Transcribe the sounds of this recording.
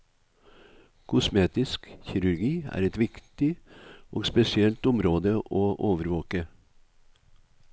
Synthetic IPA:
kʰʊsmeːt̪ɪskçɪɾʉɾɡiːæ̰ːɾɛt̪ʋɪkt̪ɪʔoːɡspɛsɪɛlt̪ʊmɾoːd̪əʔoːʔoːʋəɾʋoːkə

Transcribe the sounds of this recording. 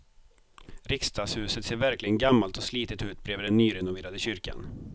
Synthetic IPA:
ɾɪkst̪ʰɑːshʉ̟ːsət̪seːɾvæɾklɪɡənɡamːalt̪ɔsliːt̪ɪt̪ʉ̟ːt̪̚bɾeːvəɖɛnːyːɾɛnʊveːɾad̪əɕʏɾka̰n

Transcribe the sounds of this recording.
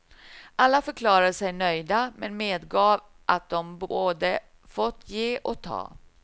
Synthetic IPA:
ʔalːafœɾkʰlɑːɾad̪əsɛjnœjd̪amɛnmeːd̪ɡɑːv | ʔat̪̚d̪ɔmboːd̪ə | fɔt̪ʰːjeːʔɔk̚t̪ʰɑ̰ː

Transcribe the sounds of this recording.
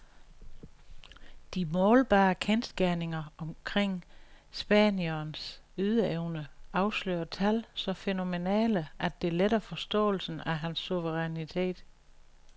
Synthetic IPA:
d̥imɔːlb̥ɑ̈ːkʰensɡ̥æɐne̝ŋɐɒ̽mkʰʁeŋ̰ | sb̥ɛ̰ːnjɐːnsyð̞ˠəeʊnəɑ̈ʊslø̰ːɐt͡sʰælsɒ̽feno̝me̝nɛ̰ːləʔæ̥d̥e̝leɾɐfɒ̽sd̥ɔ̰̽ːl̩sn̩æɦænsːuʋəʁɛnit͡sʰe̝̰ːd̥

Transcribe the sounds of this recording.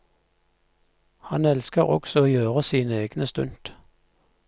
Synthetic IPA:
hɑnɛlskəʁɔ̰ɡ̥sɔoːjøːʁəsiːnəeːɡ̥nəst̪ʉnd̪̥

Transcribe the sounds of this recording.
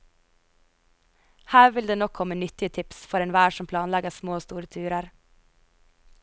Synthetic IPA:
hæːɾʋɪld̪eːnɔkʰɔmənʏt̪ɪət̪ʰɪpsfɔɾeːnʋæːʃɔmpʰlɑːnlɛɡəsmoːst̪uːɾət̪ʰʉːɾəɾ

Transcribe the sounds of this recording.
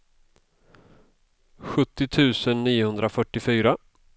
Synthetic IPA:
ɧɵt̪ːɪt̪ʰʉ̟ːsənːiːʊhɵnd̪ɾafœʈːɪfyːɾa

